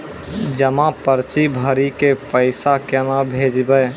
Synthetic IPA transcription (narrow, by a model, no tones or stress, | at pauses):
d͡ʒəmãpəɾt͡ʃibʱəɾikepəɪsakenabʱeːd͡ʒbəj